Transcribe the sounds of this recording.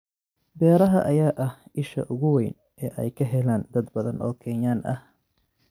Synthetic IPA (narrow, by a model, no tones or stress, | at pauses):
bɛːɾɐɦɐʔɐjaːʔɐhɪʃɐ̰ʔʊɣʊwɛjn | ʔɛːʔɛ̰jkʰɐɦɛlaːnd̪ɐd̪bɐðɐnʔɔːkʰɛːɲaːnʔɐ̰h